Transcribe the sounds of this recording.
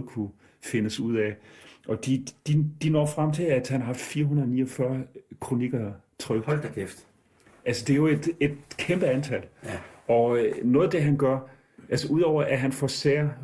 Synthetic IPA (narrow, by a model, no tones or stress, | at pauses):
kʰu | fe̝nəsuð̰ˠɛʔɒ̽d̥id̥id̥inɒ̰ːfʁam̰t͡sʰe̝læd̥hænɦɑ̈fiːɐɦunɐniːɒfɶɐkʰʁo̝niɡ̥ɐ | t͡sʰʁœɡ̥ldkefd̥ | ʔælsəd̥e̝æjo̝e̝d̥e̝d̥kʰemb̥əænt͡sʰæl̰ɒ̽nɔ̽ːð̩ˠd̥e̝ɦænɡ̥ɶɐ̰ | ʔælsəʔuð̰ˠɒʊ̰ɐʔæɦænfɒseːɐ